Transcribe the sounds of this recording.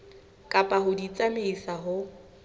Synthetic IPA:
kʼapʼaɦʊdit͡sʼameisaɦʊ

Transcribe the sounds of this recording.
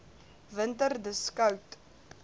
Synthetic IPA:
vəntərdəskɐwt

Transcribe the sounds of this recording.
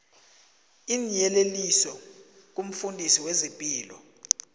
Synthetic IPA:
inijɛlelisɔ | k̬ʼum̩fundʱisiwezimpʼiːlɔ

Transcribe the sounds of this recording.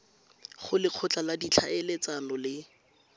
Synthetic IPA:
χʊlɪq͡χʰʊt͡ɬaladit͡ɬʰaelet͡sanɔlɪ

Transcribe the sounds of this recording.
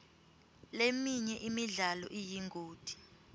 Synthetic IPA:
lemiɲɛʔimiɮalɔʔijiŋɡʱoːd̥ʱi̥

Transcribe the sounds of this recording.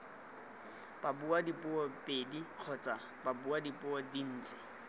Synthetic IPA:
b̥abuadipʼʊɔpʼediq͡χʰɔt͡sʼa | babuadipʼʊɔdin̩ːt͡sʼɪ̥

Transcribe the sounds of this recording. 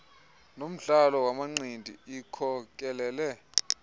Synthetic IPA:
nom̩ɮalɔwamaŋ͡ǀindʱḭikʰɔk̬ʼɛlɛːlɛ

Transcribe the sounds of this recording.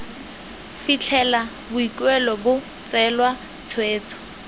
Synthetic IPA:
fit͡ɬʰɛla | bʊikʼwɛlɔbʊ | t͡sɛlwa | t͡sʰweːt͡sʰɔ̥

